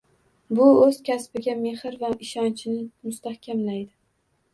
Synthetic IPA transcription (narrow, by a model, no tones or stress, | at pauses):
bʊɵz̥kʲaspɪɡʲame̞hɪɾvaɪʃɒnt͡ʃʰɪnɪmʊst̪ahkʲʰamlajd̪ɪ